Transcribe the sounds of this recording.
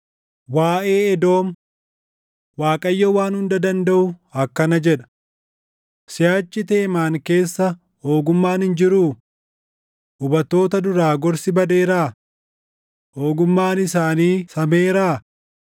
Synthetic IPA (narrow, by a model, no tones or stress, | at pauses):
waːʔeːɛd̪o̞ːm | waːkʼɐjːɐwaːnhʊnd̪ɐd̪ɐnd̪ɐʔʊɐkːɐnɐd͡ʒɛᶑɐ̥ | sɪjaːt͡ʃːɪt̪e̞ːmaːŋke̞ːsːɐ | hoːɡʊmːaːnhɪnd͡ʒɪɾuː | ʊbɐt̪ːo̞ːt̪ɐd̪ʊɾaːɡɔɾsɪbɐd̪eːɾaː | ho̞ːɡʊmːaːnɪsaːniːsɐmeːɾaː